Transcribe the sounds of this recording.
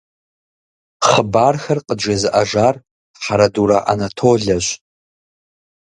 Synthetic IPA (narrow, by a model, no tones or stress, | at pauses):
χəbarxarqʼəd͡ʒazɨʔaʒar | ħaɾaduɾaʔa̰natʰoɮaʒʷ